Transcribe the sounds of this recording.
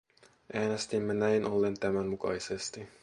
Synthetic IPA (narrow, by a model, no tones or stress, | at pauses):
ʔæːne̞st̪imːenæjnʔo̞lːe̞nt̪æmænmukɑ̰jsest̪i